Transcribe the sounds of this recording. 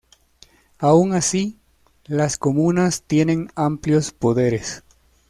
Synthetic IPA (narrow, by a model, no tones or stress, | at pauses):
auŋasi | laskomunast̪je̞ne̞ŋampljo̞spo̞ðe̞ɾes